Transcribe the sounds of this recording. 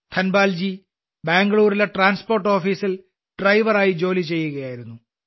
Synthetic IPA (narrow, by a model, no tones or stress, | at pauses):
t̪ʰɐnbaːld͡ʑi | baːŋɡɐɭuːɾileʈraːnspo̞ːrʈːo̞ːfiːsil | ɖ̥rɐjʋɐraːjid͡ʑo̞ːlit͡ɕe̞jːuɣɐjaːjiɾunːu